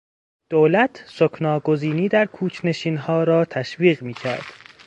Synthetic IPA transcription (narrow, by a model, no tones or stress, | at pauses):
d̪̥oːlæt̪ʰsokʰnɒːɡoziːniːd̪æɾkʰuːt͡ʃʰne̞ʃiːnɦɒːɾɒːt̪ʰæʃviːɣmiːcʰæ̰ɾd̪̥